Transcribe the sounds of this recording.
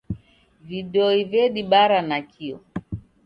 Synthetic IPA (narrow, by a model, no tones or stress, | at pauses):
viɗɛɔivɛɗiɓaɾanakʰiɔ̰